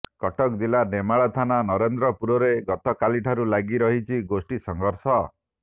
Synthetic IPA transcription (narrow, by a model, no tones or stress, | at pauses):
kɔʈɔkd̪ilanemaɭɔt̪ʰananɔɾend̪ɾɔpuɾɔɾeɡɔt̪ɔkaliʈʰaɾulaɡiɾɔɦit͡ʃʰiɡosʈisɔŋɡʱɔɾsɔ